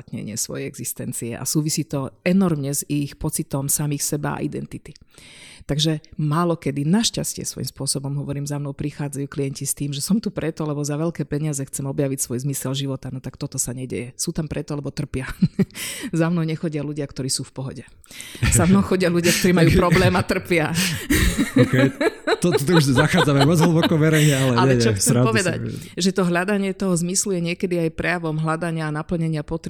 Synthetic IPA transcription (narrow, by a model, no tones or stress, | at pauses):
t̪ɲɛ̰ɲɪɛsʋɔ̰jɛjɛɡzist̪ɛnt͡siɛ̰ʔa̰suːʋisiːt̪ɔɛnɔɾmɲɛzixpɔt͡sit̪ɔmsamiːxsɛba̰a̰ʔḭd̪ɛnt̪it̪it̪aɡʒɛmaːlɔkɛd̪inaʃcascɪɛ̰sʋɔ̰jḭmspʊɔsɔbɔmɦɔʋɔɾiːmzaʊnɔʊpɾixaːd͡zajuːklijɛɲcist̪iːmʒɛsɔmt̪upɾɛt̪ɔlɛbɔzaʋɛlkɛːpɛɲɪazɛxt͡sɛmɔbjaʋicsʋɔjzmisɛlʒiʋɔt̪anɔt̪akt̪ɔt̪ɔsaɲɛɟɛ̰jɛsuːt̪ampɾʔɛt̪ɔlɛbɔt̪r̩pɪa | zamnɔʊɲɛxɔɟɪaluɟɪakt̪ɔɾiːsuːfpɔɦɔɟɛ | zamnɔʊxɔɟɪaluɟɪak̚t̪ɔɾiːmajuːpɾɔblɛːmat̪r̩pɪa | kt̪ɔɔt̪ɔuʒzaxaːd͡zamɛɔd͡zɦl̩bɔkɔʋɛɾɛɲɛalɛɲaɛɛjt͡ʃɛɔksɛmɾapɔʋɛd̪a̰cʒɛt̪ɔɦlad̪aɲɪɛt̪ɔɦɔzmislujɛɲɪɛkɛd̪iajpɾɛjaʋɔmɦlad̪aɲɪaːnapl̩ɲɛɲɪapɔt̪ɾ